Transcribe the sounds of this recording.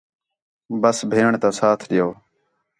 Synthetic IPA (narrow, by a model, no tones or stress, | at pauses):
bəsbʱeːɳt̪ãːsaːt̪ʰɗɪjoː